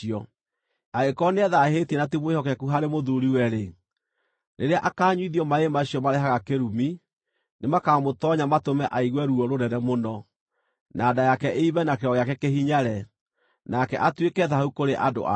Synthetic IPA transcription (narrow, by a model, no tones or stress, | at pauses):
iɔ | aekɔneɛðahetiɛnatimwehɔkɛkuɦaɾemoðuɾiwɛɾe | nʔeɾeaʔakaːɲwiðijɔmaemaɕiɔmaɾɛɦaɣakeɾumi | nemakamotɔɲamatomɛʔaiɣwɛɾuɔɾoɾɛɾɛmonɔ | naːdajakɛʔeiβɛnakeɾɔɣeakɛkehiɲaɾɛ | nakɛ̰ʔatwekɛðahaukoɾeʔado̰a̰